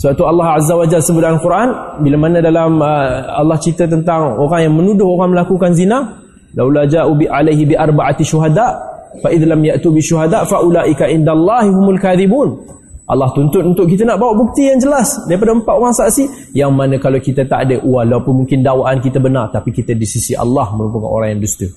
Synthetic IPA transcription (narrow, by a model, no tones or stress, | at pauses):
səbap̚t̪ualːɑhazːawad͡ʒalsəbudaanlkuɾʔanbilamanə̃dalaməa̰lːɑht͡ʃit̪ət̪ənt̪aŋoɾaŋjaŋmə̃nudʊhoɾaŋməlakukanzina | lawlad͡ʒaʔubalajɦibiʔarbaʔat̪ʃuɦadaʔfaʔɪðlamjaʔt̪ubiʃuɦadaʔfaʔulaʔikaʔɪndalːɑɦiɦumʊlkaðibuːn | ʔɑ̰lːɑht̪unt̪ʊnunt̪ʊʔkit̪ənaʔbawaʔbuk̚t̪ijaŋd͡ʒəlasdaɾip̬adaəmpat̪oɾaŋsaʔsi | jaŋmanə̃kalawkit̪at̪a̰ʔadəʔuwahlapʊnmuŋkɪndawaʔankit̪əbənart̪apikit̪ədisisiʔa̰lːɑhməɾupaka̰no̰ɾaŋjaŋdust̪u